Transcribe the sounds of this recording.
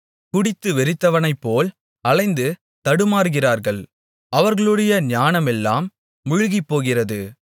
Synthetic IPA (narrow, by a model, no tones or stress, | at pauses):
kʊɽɪt̪ːɯʋɛɾɪt̪ːɐʋɐnɐɪpːoːl | ɐlɐɪnd̪ɯ | t̪ɐɽɯmaːɾɣɪraːɾɣɐɭ | ɐʋɐɾɣɐɭɯɽɐjɐnjaːnɐmɛlːa̰ːmː | ʊɻʊɣipːoːɣɪrɐðɯ